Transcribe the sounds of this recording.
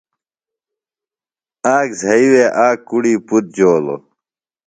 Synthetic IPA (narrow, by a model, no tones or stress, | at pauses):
aːkzʱɐiweʔaːkːuɽiːput̪̚d͡ʑoːlo̰